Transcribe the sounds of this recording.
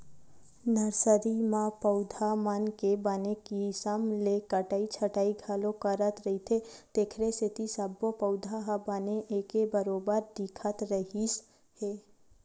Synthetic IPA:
nəɾsəɾimãpəʊd̪ʱamənkebanekisəmlekəʈaːit͡ʃʰəʈaːiɡʱaːlokəɾət̪ɾəɦit̪ʰed̪eːkʰɾesɪt̪isəbːopəʊd̪ʱaɦabaneʔekebəɾoːbəɾd̪ikʰət̪ɾəɦi | heː

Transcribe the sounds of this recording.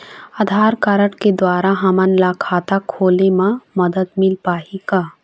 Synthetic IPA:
ad̪ʱaːɾkaɾəʈked̪waːɾaɦɐmənlakʰaːt̪akʰoːlemãməd̪əd̪mɪlpaːika

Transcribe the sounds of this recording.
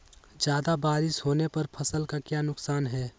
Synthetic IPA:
d͡ʒjaːd̪abaːɾɪʃhoːnepɐɾpʰɐsəlkakjaːnʊksaːnɦɛː

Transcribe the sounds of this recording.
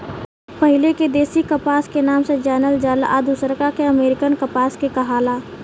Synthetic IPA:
pəɦɪleked̪eːsikəpaːskenaːmsed͡ʒɛːnəld͡ʒɛːla̰ːd̪ʱusəɾkakeɐmeːɾɪkənkəpaːskekɐɦaːlaː

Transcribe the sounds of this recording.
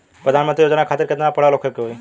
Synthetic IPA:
pɾəd̪ʱanmənt̪ɾijoːd͡ʒnakʰaːt̪iɾket̪napəɽ̤alokʰekeɦoi

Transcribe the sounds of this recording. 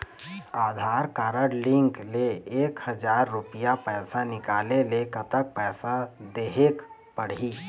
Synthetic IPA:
aːd̪ʱaːɾkaːɾəɽlɪ̃ŋkleeːkhəd͡ʒaːɾːʊpɪjapɛːsanɪkaːlelekət̪ək̚pɛːsad̪eːɦek | pəɽ̤iː

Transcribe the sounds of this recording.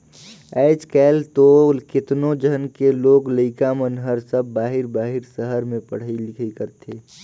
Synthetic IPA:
ɛːt͡ʃkɛːlt̪olkɪt̪nod͡ʒənkeloːɡləɪkamənɦəɾsəbːaːɦɪɾbaːɦɪɾsəɦəɾmẽpəɽ̤ilɪkʰikəɾt̪ʰeː

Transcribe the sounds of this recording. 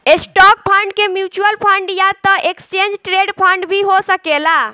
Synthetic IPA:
esʈɔk̚pʰaɳɖ̚kemjut͡ʃuəlpʰəɳɖjat̪əʔekst͡ʃẽnd͡ʒʈɾeɖpʰə̃ɳɖbʱiɦosəkela

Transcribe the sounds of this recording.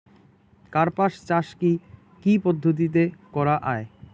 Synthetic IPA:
kaɾpaʃt͡ɕaʃki | kipod̪ʱːot̪̬it̪̬ekɔɾaʔae

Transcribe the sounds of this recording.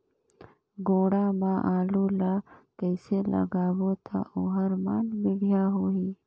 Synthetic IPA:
ɡoːɽaːmãʔaːlulakəɪselɐ̰ɡaːwot̪ʰa̰ʔoɦɐɾmaːnbɪɽijaːɦoːiː

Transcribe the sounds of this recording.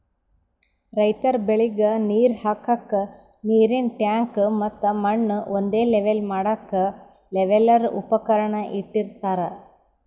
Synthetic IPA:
ɾɐjt̪ɐɾbeɭiɡɐniːɾhaːkɐkːɐ | niːɾinʈjaːŋkmɐt̪ːɐmɐɳːond̪e̞ːleʋelmaːɽɐkːɐ | leʋelɐɾupɐkɐɾɐɳɐʔiʈːiɾt̪aːɾɐ

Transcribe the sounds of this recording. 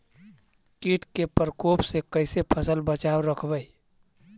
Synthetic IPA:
kiʈkepəɾkoːpsekəɪsepʰəsəlbət͡ʃaːwɾəkʰbəi

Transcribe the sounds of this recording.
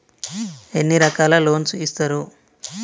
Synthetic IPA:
e̞nːiɾɐkaːlɐlo̞ːnsist̪ɐɾu

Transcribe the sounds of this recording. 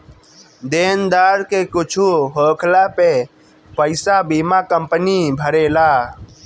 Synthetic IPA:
d̪eːnd̪aːɾkeːkʊt͡ʃʰuːɦoːkʰlaːpeː | pəɪsaːbiːmaːkəmpənibʱəɾeːlaː

